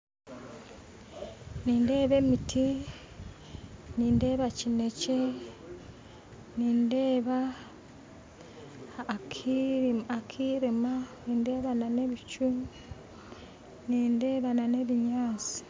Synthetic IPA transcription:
niːnde̞ːβe̞mitʰi | niːnde̞ːβacine̞ce | niːndeːβa | kiakʰiɾimaniːnde̞ːβanane̞βit͡ʃumi | niːnde̞βanane̞βiɲaːt͡si̥

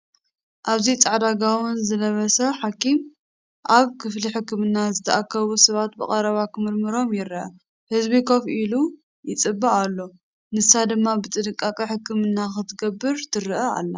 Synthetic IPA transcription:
ʔaβzit͡sʼaʕd̪aɡawʊnzɨlɐβɐsɐħakʰim | ʔaβkʰɨfliħɨkːɨmɨnːazɨt̪ʰɐʔakʰːɐβusɐβat̪bɨ̰kʼɐɾɐβakʰɨmɨɾmɨɾo̞mjɪɾʔɐ̰ | hɨzβikʰo̞fʔilu | jɪt͡sʼɨbːaʔalːo̞ | nɨsad̪ɨmːabɨt̪ʼɨdɨkʼːakʼɐħɨkːɨmɨnːaxɨt̪ʰɨɡɐbːɨɾt̪ʰɨɾɨʔɐa̰lːɐ

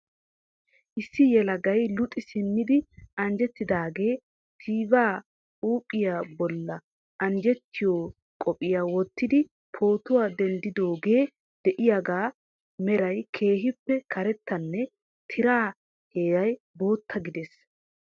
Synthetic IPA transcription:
ʔɪsːɪjɛlɐɡɐjlʊt̪ʼːɪsɪnːɪd̪ɪɐnd͡ʒɛt̪ːɪd̪aːɡe̞ː | t̪ʰiːbaː | uːpʼːɪjaːbɔlːɐ | ʔɐnd͡ʒɛt̪ːɪjoː | kʼɔpʼɪjaːwɔt̪ːɪd̪ɪ | pʰo̞ːt̪ʊwaːd̪ɛnd̪ɪd̪o̞ːɡe̞ː | d̪̥ɛʔɪjaɡaː | mɛɾɐjkʰe̞ːɦɪpːɛkʰɐɾɛt̪ːɐnːɛ | t̪ʰɪɾaː | heːɡɐj | bo̞ːt̪ʰːɐɡɪd̪es

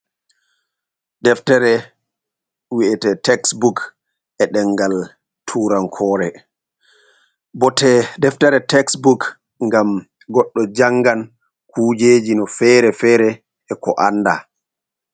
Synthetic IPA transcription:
dɛftɛɾɛ | wiʔɛtɛtɛksbuk | ɛɗɛŋɡal | tʰuːɾankʰɔːɾɛ | bɔtɛdɛftɛɾɛtɛksbuk | ŋɡam | ɡɔɗːɔd͡ʒaŋɡan | kʰuːd͡ʒeːd͡ʒinɔfɛːɾɛfɛːɾɛ | ɛkɔʔanːda

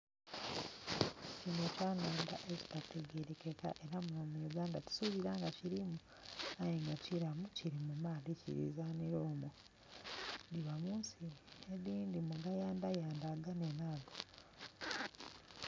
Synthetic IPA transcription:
cinocaːnoːndaʔeci̥tatʰeɡeɾekeka̰ʔe̞ɾamuomuɡaːndatu̥suβiɾaŋɡaciɾimu | ajeŋɡaciɾamuciɾimumaːlicḭɾḭzaniɾoːmo | ndiβamuːnsieɾiːndimuɡajaːndajaːndaɡanenaːɡo

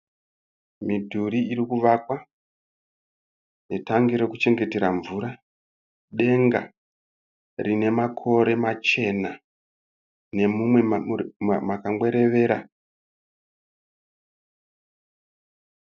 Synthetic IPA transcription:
midʱuɾiiɾikuʋakwa | ne̞taŋɡiɾe̞kut͡ʃe̞ŋɡe̞te̞ɾaɱvuɾa | ɗe̞ŋɡa | rine̞makʰo̞ɾe̞mat͡ʃe̞na | ne̞mumwe | makaŋwe̞ɾe̞ʋe̞ːɾa

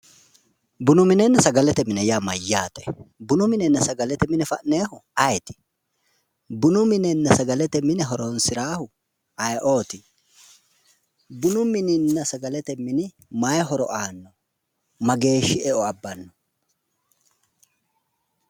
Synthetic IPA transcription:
bʊnʊmɪnɛnːɐsɐɡɐlɛt̪ɛmɪnɛjamɐjːaːt̪ɔɛbʊnʊmɪnɛnːɐsɐɡɐlɛt̪ɛmɪnɛfɐ̰ʔneːhʊɐjt̪ɪ̥ | bʊnʊmɪnɛnːɐsɐɡɐlɛt̪ɛmɪnɛɦɔɾɔnsɪɾaːhʊ | ɐjʔo̞ːt̪ɪ | bʊnʊmɪnɪnːɐsɐɡɐlɛt̪ɛmɪnɪ | mɐjɦɔɾɔ̰ʔaːnːɔ | mɐɡe̞ːʃːɪɛʔɔɐbːɐnːɔ

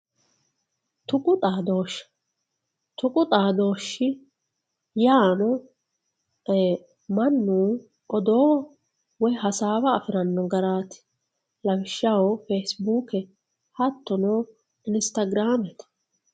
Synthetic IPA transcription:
t̪ʊkʼʊt̪ʼaːd̪oːʃːɐ̥ | t̪ʊkʼʊt̪ʼaːd̪o̞ːʃːɪ | jaːnɔ | mɐnːuː | ʔɔd̪oː | wɔjɦɐsaːwɐːfɪɾɐnːɔɡɐɾaːt̪ɪ̥ | lɐbɪʃːɐwofeːsbuːkɛ | hɐt̪ːɔnoː | ɪnst̪ɐɡɾaːmɛt̪

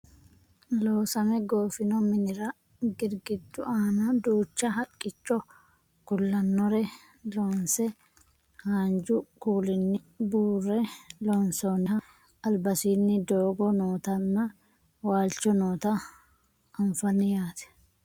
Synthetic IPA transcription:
loːsɐmɛɡo̞ːfɪnɔmɪnɪɾɐ | ɡɪɾɡɪd̪ːʊʔaːnɐd̪uːt͡ʃːɐɦɐkʼːɪt͡ʃːɔ | kʊlːɐnːɔɾɛ | loːnsɛ | haːnd͡ʒʊkuːlɪnːɪ | buːrːɛloːnsonɪɦɐ | ɐlbɐsiːnːɪd̪oːɡɔnoːt̪ɐnːɐ | waːlt͡ʃːɔnoːt̪ɐ | ɐɱfɐnːɪjaːt̪ɛ̥

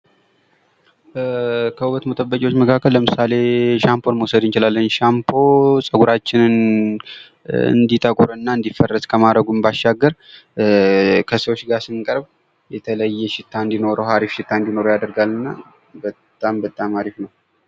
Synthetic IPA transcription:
kʰəuwət̪mət̪ʼəbːəkʼiwo̞t͡ʃːməkʰakʰːəlləmɨsale̞ʃampʰo̞nməwsəd̪ɨnt͡ʃɪlalːəɲʃampʰo̞sʼəɡuɾat͡ʃːɪnɨn | ɨ̰nd̪it̪ʼəkʼuɾɨnːaɨnd̪ifːərːəskʰəmaɾəɡumbaʃːaɡːəɾ | kʰəsəwot͡ʃːɡaɾsɨŋkʼəɾb | jɛt̪ʰələjːɛʃɪt̪ʰːaɨnd̪ino̞ɾəɦaɾifʃɪt̪ʰːaɨnd̪ino̞ɾojad̪əɾɡalɨnːa | bət̪ʼːambət̪ʼːamaɾifnəw

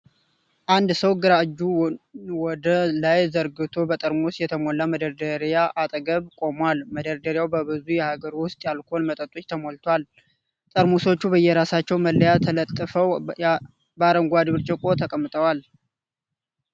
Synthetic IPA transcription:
ʔand̪səwɡɨɾaɨd͡ʒːuwɔd̪əlajzəɾɡɨt̪ʰo̞bət̪ʼəɾmusjɛt̪ʰəmolːaməd̪əɾd̪əɾjaʔat̪ʼɡəβkʼo̞mwalməd̪əɾd̪əɾjawbəbɨzujɛhaɡəɾwʊst̪ʼjalkʰonmət̪ʼət̪ʼːut͡ʃːt̪ʰəmolt̪ʰwal | t̪ʼəɾmuso̞t͡ʃːubəjːɛɾasat͡ʃːɛwməlːəjat̪ʰələt̪ʼːɨfəw | baɾəŋɡʷad̪ɨβɨɾt͡ʃʼɛkʼo̞t̪ʰəkʼəmːɨt̪ʼəwal

